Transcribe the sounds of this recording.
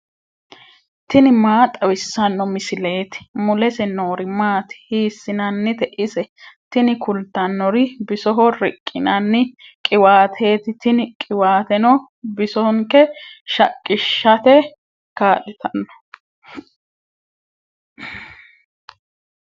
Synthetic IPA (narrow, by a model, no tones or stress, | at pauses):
t̪ɪnɪmaːt̪ʼɐwɪsːɐnːɔmɪsɪle̞ːt̪ɪ̥mʊlɛsɛnoːɾɪmaːt̪ɪ̥hiːsːɪnɐnːɪt̪ɛʔɪsɛt̪ɪnɪkʊlt̪ɐnːɔɾɪbɪsɔɦɔɾɪkʼːɪnɐnːɪkʼɪwaːt̪ʰe̞ːt̪ɪt̪ɪnɪkʼɪwaːt̪ɛnɔ | bɪsɔŋkɛʃɐkʼːɪʃːɐt̪ɛ | kaːlɪt̪ɐnːɔ̥